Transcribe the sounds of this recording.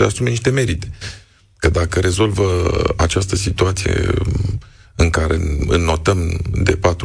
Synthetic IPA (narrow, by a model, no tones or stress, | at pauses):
əasumeniʃt̪e̞me̞ɾit̪e̞̥ | kəd̪akəɾe̞zo̞lvəa̰t͡ʃast̪əsit̪uat̪sije̞̰ | ɨŋkaɾḛɨ̰nnːo̞t̪əmd̪e̞pat̪